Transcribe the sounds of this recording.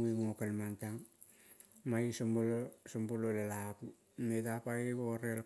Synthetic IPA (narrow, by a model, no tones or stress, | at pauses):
uiŋokalmantaŋ | maisombolosombololelaku | metapaiɡoɾel